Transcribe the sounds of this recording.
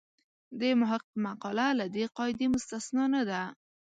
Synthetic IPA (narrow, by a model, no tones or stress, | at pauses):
d̪əmʊɦaqmaqɑlalad̪eqɑɪd̪emʊst̪asnɑnad̪a